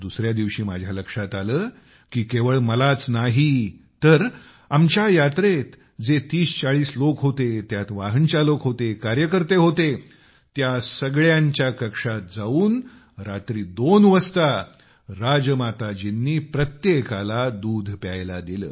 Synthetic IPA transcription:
d̪usɾjad̪iʋɕiːmad͡ʑʱjaləkʂat̪aləː | kiːkeʋəɭməlat͡snaɦit̪əɾ | amt͡ɕjajat̪ɾet̪ | d͡zet̪iːst͡saɭiːslokɦot̪et̪jat̪ʋaɦənt͡ɕjalokɦot̪ekaɾjəkəɾt̪eɦot̪e | t̪jasəɡɭjaɲt͡ɕjakəkʂat̪̚d͡zauːn | ɾat̪ɾiːd̪onʋəst̪a | ɾad͡zəmat̪ad͡ʑinːiːpɾət̪jekalad̪ud̪ʱpjajlad̪ilə̰ː

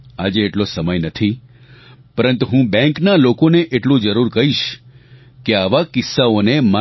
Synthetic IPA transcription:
a̰d͡ʒeːʈlosəməjnət̪ʰi | pəɾənt̪uɦũbɛ̃ŋknalokoneʔeʈlũd͡ʒəɾuɾkəɦiʃ | keaʋakɪsːaonema

